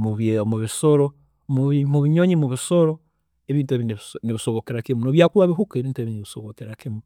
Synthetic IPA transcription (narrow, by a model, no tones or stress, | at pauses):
muβemoβisoɾo | mβmuβiɲoɲimuβisoɾo | eβiːntueβinneβisoβokeɾakemunoβjakuɾwaβiɦukeβiːntueβineβisoβokeɾakemu